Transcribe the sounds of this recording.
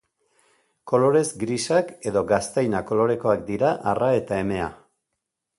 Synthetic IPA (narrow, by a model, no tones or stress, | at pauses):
ko̞lo̞ɾe̞zɡɾisake̞ðo̞ɡast̪ajnako̞lo̞ɾe̞ko̞akd̪iɾaʔarae̞t̪ae̞me̞a̰